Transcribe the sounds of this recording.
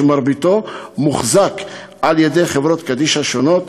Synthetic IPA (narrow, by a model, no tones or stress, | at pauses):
maɾbit̪o̞muχzak | ʔaljed̪ejχevɾo̞t̪kad̪iʃaʃono̞t̪